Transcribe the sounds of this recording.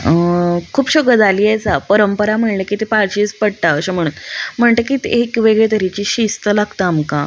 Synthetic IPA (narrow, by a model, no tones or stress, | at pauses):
kʰuːpɕɔɡəd͡zaliːat͡sapəɾəmpəɾam̤əɽlekit̪epaɾɕispəɽʈ̪aəɕam̤əɽuːnm̤əɳt̪əkit̪eekʋeɡɭet̪əɾit͡ɕiːɕist̪əlaɡt̪aamka̰